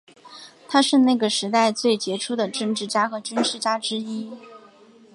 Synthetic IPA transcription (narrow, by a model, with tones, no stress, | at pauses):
t̪ʰa˥ʂɻ̩˥˧na˥˩ɡə˩ʂɻ̩˧˥t̪a˥˧ɪt͡swe˥˩ɪt͡ɕjɛ˧˥ʈ͡ʂʰu˥d̪ə˨ʈ͡ʂɤ˥˧ŋʈ͡ʂɻ̩˥˩t͡ɕja˥xɤ˧˥t͡ɕy˥nʂɻ̩˥˩t͡ɕja˥ʈ͡ʂɻ̩˥i˥